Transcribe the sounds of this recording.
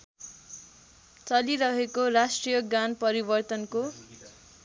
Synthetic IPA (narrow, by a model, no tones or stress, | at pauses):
t͡sʌliɾʌɦekorasʈrijʌɡanpʌɾibʌrt̪ʌnko